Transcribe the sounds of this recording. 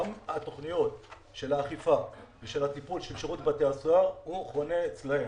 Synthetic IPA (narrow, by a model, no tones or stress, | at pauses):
mhato̞χnijo̞t | ʃe̞laːχifaveʃelhat̪ipulʃelʃeʁutbateasuauχʁoneːt͡slae